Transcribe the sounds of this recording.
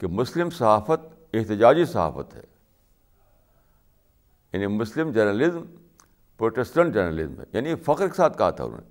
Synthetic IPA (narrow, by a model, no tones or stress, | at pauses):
kemʊslɪmsɐɦaːfət̪̚ | ɪɦt̪ɪd͡ʒaːd͡ʒisɐɦa̰ːfə̰t̪ɦɛ̰ː | ja̰ːnimʊslɪmd͡ʒɐɾnəlɪzm | pɾoːʈɛsʈə̃ɳʈ̚d͡ʒɐɾnəlɪ̰zmɦɛ̰ja̰ːnifɐqɾkesaːt̪kɐɦa̰t̪ʰa̰ʊ̰no̰ːnḛ